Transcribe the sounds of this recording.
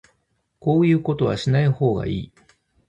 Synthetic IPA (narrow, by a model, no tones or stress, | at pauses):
ko̞ːjɯ̟ːko̞t̪o̞βa̰ɕinaiho̞ːɡa̰ḭː